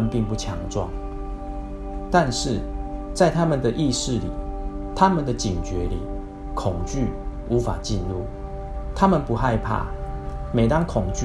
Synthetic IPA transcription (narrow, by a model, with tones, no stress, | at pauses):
ə˨npi˥˧ŋpu˥˩t͡ɕʰjɑ˧˥ŋʈ͡ʂwɑ̰˥˩ŋ | t̪a˥˧nʂɻ̩˥˩t͡sa˥˩ɪt̪ʰa˦˥mə˨nd̪ə˨ʔi˥˧ʂɻ̩˥˨lḭ˨˩˦t̪ʰa˦mə˨nd̪ə˨t͡ɕi˨˩nt͡ɕɥɛ˨˦lḭ˨˩˦ | kʰʊ˨˩ŋt͡ɕy˥˨ | u˧˦fa̰˨˩t͡ɕi˥˧nlu˥˩ | t̪ʰa˦mə˨npu˧˦xa˥˧ɪpʰa̰˥˩me˨ɪt̪a˥˦ŋkʰʊ˨˩ŋt͡ɕ